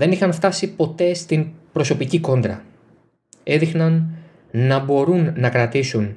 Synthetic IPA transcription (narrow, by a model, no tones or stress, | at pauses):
ðe̞nixɐnft̪ɐsipo̞t̪e̞st̪inpɾo̞so̞piciko̞nd̪ɾɐ̰ | e̞ðixnɐnː | ɐbo̞ɾunːɐkɾɐt̪isun